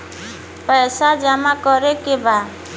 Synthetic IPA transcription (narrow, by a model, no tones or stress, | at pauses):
pəjsad͡ʒamakɔɾekeba